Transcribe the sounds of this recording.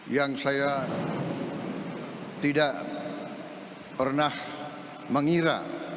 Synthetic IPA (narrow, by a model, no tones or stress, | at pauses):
jaŋsaja | t̪idaʔ | pərnah | məŋiɾa̰